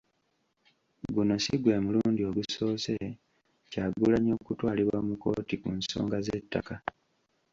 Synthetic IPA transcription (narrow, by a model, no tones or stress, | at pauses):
ɡuno̞siɡwe̞ːmuluːndio̞βuso̞ːse̞ | caːɡulaɲo̞ːkutwaːliβwaomuko̞̰ːtikunso̞̰ːŋɡazetːa̰ka